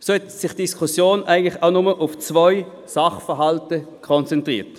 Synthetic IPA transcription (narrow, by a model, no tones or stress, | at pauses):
soɛtsɪχd̥iskʰʊsjoːnʔæ̰ɪɡən̩tlɪχaʊnʊməʔʊft͡svɔʏ | sɑχfəɦɑltə | kʰɔnt͡sɛntʁḭːt